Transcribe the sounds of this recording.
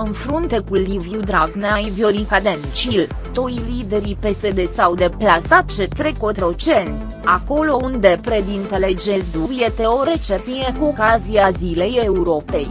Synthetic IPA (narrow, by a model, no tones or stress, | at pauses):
ɨnfɾunt̪e̞kulivjud̪ɾaɡneaivjoɾikad̪ent͡ʃil | t̪ojlid̪e̞ɾipe̞se̞d̪e̞sawd̪e̞plasat̪̚t͡ʃet̪ɾekot̪ɾot͡ʃent̪ | ako̞lo̞und̪epɾed̪int̪eled͡ʒezd̪uvjet̪e̞o̞ɾe̞t͡ʃepiekuokaziazile̞jeuɾopej